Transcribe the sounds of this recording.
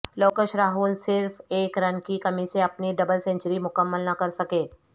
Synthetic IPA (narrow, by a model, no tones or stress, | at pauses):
loːkəʃɾaːɦuːlsɪɾfeːkɾɐnkikɐmiseɐpniɖɐbəlsɛ̃ɲt͡ʃəɾimʊkəmːəlnɐkɐɾsɐkeː